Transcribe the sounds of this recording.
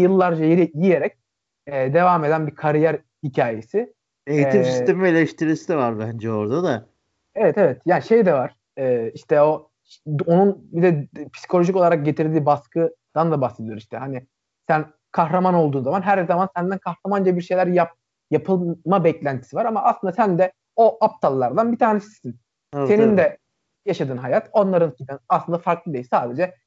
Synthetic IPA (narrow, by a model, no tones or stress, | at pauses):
jɯlˠːaɾd͡ʒajeɾijijeɾɛc̚ | ɛːd̪e̞vaːme̞d̪ænbikʰaɾijæɾ | hicʰaːje̞sɪ | ej̪imsist̪e̞mimelʲeʃt̪ʰiɾisiɛvaɾbænd͡ʒɛo̞ɾd̪ad̪a | evɛt̪e̞vɛt̪jaːniʃe̞jd̪ɛvaɾ̥ | ɛːiʃt̪ʰɛo̞ | o̞nunbid̪ɛpʰi̥si̥kʰolʲo̞ʒico̞lˠaɾak̚ɟe̞t̪ʰiɾd̪iːbaskʰɯd̪̥and̪abaxse̞d̪ijoɾmiʃt̪ʰɛɦani | sæn | kʰaxɾamano̞lˠd̪uːnzamanɦæɾzamansænd̪ænkʰaxɾamanɟibibiɾʃejlʲæɾjap̚ | japʰɯlˠmabɛclʲænt̪ʰi̥sivaɾamaːslˠɯnd̪asænd̪ɛ | oʔap̚t̪ʰalˠːaɾd̪anbit̪ʰaːnesii̥sin | se̞nind̪ɛ | jaʃad̪ɯːnɦajat̪ʰo̞nlˠaɾɯnsit̪anaslˠɯnd̪afaɾklˠɯd̪ejisaːd̪e̞d͡ʒɛ